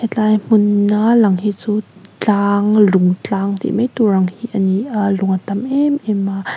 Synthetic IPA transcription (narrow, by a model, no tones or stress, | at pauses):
ɛt̪lajm̥ʊnːalɐŋhit͡sut͡ɬaːŋlʊŋt͡ɬaːŋt̪ḭʔmɛjt̪uɾaŋhiʔanialʊŋʔat̪amʔɛmʔɛma